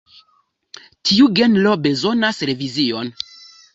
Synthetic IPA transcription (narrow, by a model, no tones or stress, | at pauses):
tʰiuɡe̞nlo̞be̞zo̞nasɾe̞vizio̞n